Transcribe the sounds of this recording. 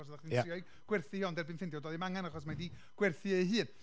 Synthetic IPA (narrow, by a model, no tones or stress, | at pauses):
ɔsðaχdinɪɔjɡ̥ | ɡ̥wɛrθɨhiɔndɛrbɨnfɪndjɔdɔːðimaŋanaχɔs̬madi | ɡ̥wɛrθɨeɦɨːn